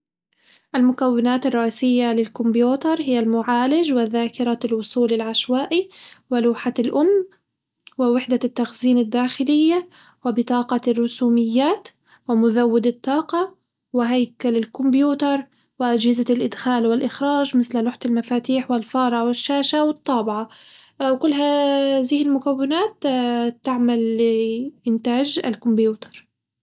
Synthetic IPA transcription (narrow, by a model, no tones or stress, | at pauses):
ʔalmʊkawːɪnaːt̪ɪrˤːɑʔiːsɪjːalɪlkʊmbjuːt̪ɑɾˤhɪjːalmʊʕaːlɪd͡ʒwɪðaːkɪɾˤɑlwʊsˤuːlɪlʕaʃwaːʔiwɪluːħalʔʊmː | wɪwɪħd̪at̪ːaxziːnɪd̪ːaːxɪlɪjːa | wɪbɪt̪ˤɑːqɑrˤːʊsuːmɪjːaːt̪ | wɪmʊðawːɪd̪ɪt̪ˤːɑːqɑ | wɪɦajkalɪlkʊmbjuːt̪ɑɾˤ | wɪʔad͡ʒhɪzalʔɪd̪xaːlwɪlʔɪxɾˤɑːʒmɪθllʊħt̪ɪlmafaːt̪iːħwɪlfɑːɾˤʔɑwɪʃːaːʃawɪt̪ˤːɑːbɪʕa | wkʊlːɦaðiːhɪlmʊkawːɪnaːt̪t̪ːaʕmalː | ʔɪnt̪aːd͡ʒa̰lkʊmbjuːt̪ɑ̥ɾˤ